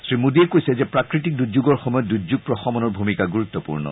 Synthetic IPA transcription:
sɹimudiɛkojsɛzɛpɹakɹitik̚duzuɡɔɹxɔmɔjɔt̚duzuɡ̚pɹɔxɔmɔnɔɹbʱumikaɡuɹut̪ːɔpṵɹnɔ̰

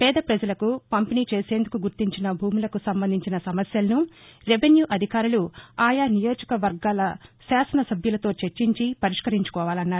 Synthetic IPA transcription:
pɛːd̪ɐpɾɐd͡ʒɐlɐkupɐmpiniːt͡ʃe̞ːse̞ːnd̪ukuɡuɾt̪iɲt͡ʃinɐbʱuːmulɐkusɐmbɐnd̪ʱiɲt͡ʃinɐsɐmɐsjɐlɐnu | ɾeʋenjuːʔɐd̪ʱikaːɾuluaːjanijo̞ːd͡ʒɐkɐʋɐɾɡaːlɐsaːsɐnɐsɐbʱjulɐt̪o̞ːt͡ʃeɾt͡ʃːiɲt͡ʃipɐɾiʂkɐɾiɲt͡ʃu̥kɔːʋaːlɐnːaːɾu

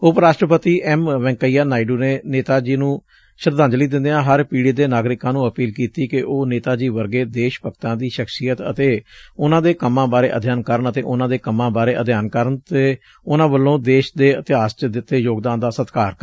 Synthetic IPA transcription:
ʊpɾaːʃʈɾəpət̪iːʔɛːmʋɛ̃ːŋkəiːjaːnaːiɖuːneːneːt̪aːd͡ʒiːnũː | ʃəɾd̪ãːɲd͡ʒliːd̪ɪ̃nd̪ejãːɦəɾpiːɽid̪eːnaːɡɾɪkãːnũːəpiːlkiːt̪iːkɪʔoːneːt̪aːd͡ʒiːʋəɾɡeːd̪eːʃpəkt̪ãːd̪iːʃəksijət̪ə̰t̪eːʊnãːd̪eːkəmːãːbaːɾeːʔəd̪ʱjaːnkəɾənət̪ḛːʔʊnãːd̪eːkəmːãːbaːɾeːʔəd̪ʱjaːnkəɾənt̪eː | ʊnãːbəlːõːd̪eːʃd̪eːət̪ɪɦaːst͡ʃd̪ɪt̪ːeːjoːɡd̪ãːnd̪aːsət̪kaːɾkə

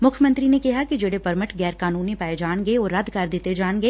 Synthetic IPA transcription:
mʊkʰjəmɐ̃nt̪ɾinekiɦakid͡ʒeːɽepɐɾmɪʈɡɛːɾkaːnuːnipaːed͡ʒaːɽ̃ɡeɔːɾːɐd̪ʱkɐɾd̪iːt̪ed͡ʒaːɽ̃ɡeː

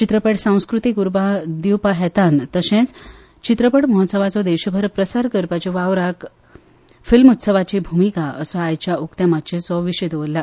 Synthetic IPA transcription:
t͡ɕit̪ɾəpəʈsãw̃skɾut̪ikuɾbad̪iwpaɦɛt̪ant̪əsẽt͡s | t͡ɕit̪ɾəpəʈməɦɔt̪səʋat͡sɔd̪ɛɕəbʱəɾpɾəsaɾkəɾpat͡ɕiʋaʋɾak | filmut̪səʋat͡ɕibʱumikaəsɔajt͡ɕjaʔukt̪jamat̪̚t͡ɕẽt͡sɔʋiɕed̪eʋəlːa

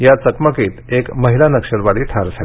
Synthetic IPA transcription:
jat͡səkməkiːt̪ekməɦilanəkʂəɾʋaɽiːʈʰaɾd͡zʱali

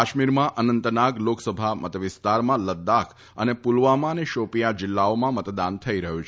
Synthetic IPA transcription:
aʃmiɾmãʔənənt̪naɡloksəbʱamət̪ʋɪst̪aɾmãləd̪akʰ | ənepulʋamãneʃopijad͡ʒɪlːaomãmət̪d̪ant̪ʰəiɾəɦũt͡ʃʰ

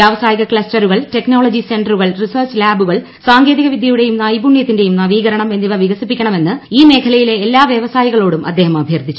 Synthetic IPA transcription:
jaːʋɐsaːjiɣɐkɭɐstɐɾuɣɐɭte̞knoːɭɐd͡ʑise̞ɳɖɐruɣɐɭrisɐrt͡ɕlaːbuɣɐɭ | saːŋɡe̞ːðiɣɐʋid̪ʱjɐjuɽe̞jumnaːjbuɳːjɐt̪ːinde̞jumnɐʋiːɣɐɾɐɳɐme̞nːiʋɐʋiɣɐsipːikʲːɐɳɐme̞nːɨiːme̞ːkʰɐlɐjile̞ːlːaːʋjɐʋɐsaːjiɣɐɭo̞ːɽumɐ̰d̪ːeːɦɐmɐbʱjɐrd̪ʱit͡ɕːu

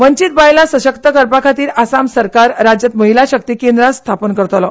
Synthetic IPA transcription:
ʋəɲt͡ɕit̪̚bajlasəɕəkt̪əkəɾpakʰat̪iːɾasamsəɾkaɾːad͡ʑjət̪məɦilaɕək̚t̪iːkend̪ɾast̪ʰapənkəɾt̪lɔ

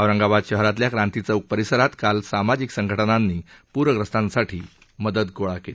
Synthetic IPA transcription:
əʋɾəŋɡabad̪ɕəɦɾat̪ljakɾãnt̪it͡səuk̚pəɾisəɾat̪kalsamad͡ʑiksəŋɡʱəʈənanːiːpuɾʋəɡɾəst̪ãnsaʈʰiː | məd̪əd̪̚koɭakele

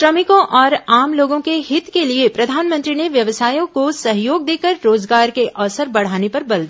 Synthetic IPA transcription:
ʃɾɐmɪkõʔɔːɾaːmloːɡõkeɦɪt̪keliepɾɐd̪ʱaːnmə̃nt̪ɾineʋjɐʋsaːjõkosɐɦjoːɡ̚d̪eːkəɾːoːzɡaːɾkeʔɔːsəɾbɐɽ̤aːnepɐɾbɐld̪i

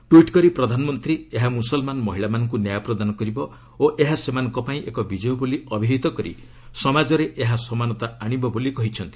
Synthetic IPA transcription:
ʈwiʈkɔɾipɾɔd̪ʱanɔmɔnt̪ɾieɦamusɔlmanɔmɔɦiɭamanɔŋk̬unjajɔpɾɔd̪anɔkɔɾibɔ | oʔeɦasemanɔŋkɔpaĩʔekɔbid͡ʒɔjuboliɔbʱiɦit̪ɔkɔɾḭ | sɔmad͡ʒɔɾeʔeɦasɔmanɔt̪aaɽ̃ibɔbolikɔɦit͡ʃʰɔnt̪i̥

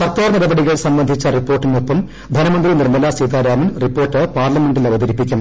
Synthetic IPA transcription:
sɐrt̪ːaːrnɐɽɐbɐɽiɣɐɭsɐmbɐnd̪ʱit͡ɕːɐripːo̞ːrʈːinːupːɐm | d̪ʱɐnɐmɐnd̪rinirmɐlaːsiːd̪aːɾaːmɐnripːo̞ːrʈːɨpaːrlɐme̞ɳɖilɐʋɐd̪ɐɾipːikʲːum

